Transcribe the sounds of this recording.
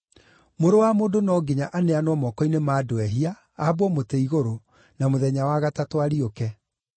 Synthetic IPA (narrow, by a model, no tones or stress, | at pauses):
moɾowamoːdonɔɡeɲaʔaneanwɔmɔkɔinemaːdoɛɦia | abwɔmoteiɣoɾo | namoðɛɲawaɣatatwaɾiokɛ